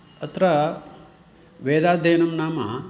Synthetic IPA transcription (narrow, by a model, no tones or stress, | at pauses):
ɐt̪ɾɐ | ʋeːd̪aːd̪ʱeːnɐmnaːmɐ